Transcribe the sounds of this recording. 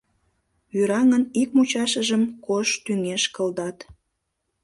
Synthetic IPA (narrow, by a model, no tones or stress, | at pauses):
yɾɑŋənik̚mut͡ɕɑʃəʒəmkoʃt̪yŋeʃkəld̪ɑt̪